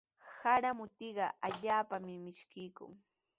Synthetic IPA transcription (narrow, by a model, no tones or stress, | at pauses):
haɾamʊt̪ɪɢɑaʎaːpamɪmɪʃkɪjkʊ̰ŋ